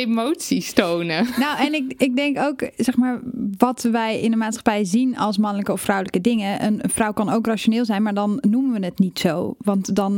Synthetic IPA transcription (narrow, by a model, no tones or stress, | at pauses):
emowtsistownənowɛnɪkɪɡ̚dɛŋkowksɛχmaːɹʋɑtʋɛjɪ̰nənmaːtsχɑ̥pɛjzinɑlˠs̬mɑnələkəɔfrɔwləkədɪŋəʔə̰nfrɔwkɑnowkraːʃonɪːlˠzɛjnmaːɹdɑnːumənʋənətnitsowʋɑntdɑn